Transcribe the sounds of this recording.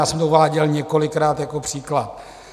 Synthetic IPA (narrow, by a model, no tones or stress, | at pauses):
aːsɛmd̪ouvaːɟɛlɲɛko̞lɪkɾaːt̪jako̞pr̝̥iːklat̪̚